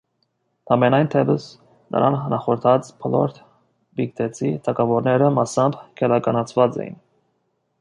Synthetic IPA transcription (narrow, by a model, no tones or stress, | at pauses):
ɑmɛnɑjnt̪ʰɛbəs | nʔə̰ɾɑnːnɑχɔɾt̪ʰɑt͡spʰɔlɔ̰ɾt̪ʰ | bikt̪ʰɛt͡sʰit̪ʰɑkɑvɔɾnɛɾəmɑsɑmbkʰɛlɑkɑnɑt͡sʰvɑt͡sɛ̰jḭn